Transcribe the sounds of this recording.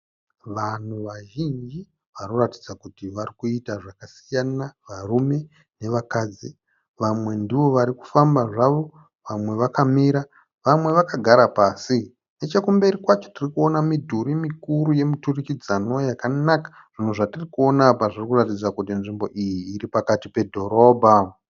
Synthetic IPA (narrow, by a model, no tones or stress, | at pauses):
ʋan̤uʋaʒind͡ʒi | ʋanoratid͡zakutiʋarikuitaʐakasi̥janaʋarume̞ | ne̞ʋakaːd͡zi | ʋamwe̞ndiʋo̞ʋaɾiku̥fambaʐaʋo̞ | ʋamwe̞ʋakamiɾa | ʋamwe̞ʋakaɡʱaɾapasi | ne̞t͡ʃekumbe̞ɾikwat͡ʃo̞̥tirikuo̞namidʱuɾimikuɾuje̞miturikid͡zano̞jakanakḁ | ʐ̥in̤uʐatirikuo̞napaʐirikuratid͡zakutinʐimbo̞̰ʔijiːripakatipe̞dʱo̞ɾo̞ːbʱa